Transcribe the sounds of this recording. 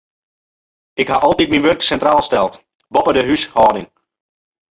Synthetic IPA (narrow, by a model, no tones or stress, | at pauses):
ɪkhaʔɔlˠtit̚minʋørksɛntraːlˠstɛlˠt | bɔpədəɦyshɔːdɪŋ